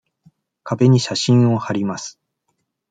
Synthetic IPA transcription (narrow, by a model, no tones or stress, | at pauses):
kabe̞ɲ̟iɕaɕĩɰ̃o̞haɾʲimasɨ̥